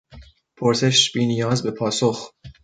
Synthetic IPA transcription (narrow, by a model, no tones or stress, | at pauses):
pʰoɾse̞ʃb̥iːnijɒːzbe̞pʰɒːsox